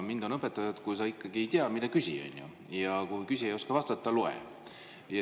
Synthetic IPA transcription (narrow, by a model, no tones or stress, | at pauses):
mind̪̥o̞nɤpːet̪ːˑɑjɑd̪̥kujsɑikːɑɡie̞jt̪iɑmid̪ɑkysʲḭo̰nʲjṵ | jɑkujkysʲiejo̞skɑvɑst̪ɑt̪ːˑɑloḛ | jɑ